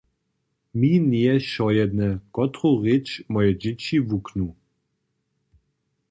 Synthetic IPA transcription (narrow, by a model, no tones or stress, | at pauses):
minʲiɛʃɔjɛd̪nɛkɔt̪ɾoʁɪt͡ʃmɔjɛd͡ʑɪt͡ɕivuknu